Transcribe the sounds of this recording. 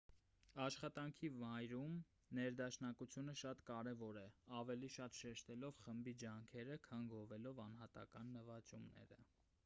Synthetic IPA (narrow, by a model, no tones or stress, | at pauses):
ɑʃχɑt̪ɑŋkʰivɑjɾum | nɛɾd̪ɑʃnɑkut͡sʰjunəʃɑt̪kɑɾɛvɔɾɛɑvɛliʃɑt̪ʃɛʃt̪ɛlɔvχəmbid͡ʒɑŋkʰɛɾəkʰɑnɡɔvɛlɔvɑnɦɑt̪ɑ̰kɑnːəvɑt͡ʃumnɛ̰ɾə̰